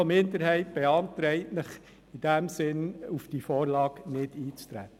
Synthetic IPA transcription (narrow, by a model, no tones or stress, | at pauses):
omɪnd̪əɾhɛɪt̚b̥eɑnt̪ɾɛɪtnəχ | id̥æmsɪnufd̥ifɔːɾlɑːknɪdiːt͡st̪ɾæ̰t̪ə